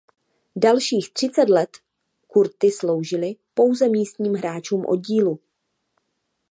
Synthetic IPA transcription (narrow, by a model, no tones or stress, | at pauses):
dalʃiːxt̪r̝̥ɪt͡sɛt̪lɛt̪ | kuɾt̪ɪslowʒɪlɪpo̞wzɛmiːst̪ɲiːmɦɾaːt͡ʃuːmʔo̞̰d̚ɟiːlu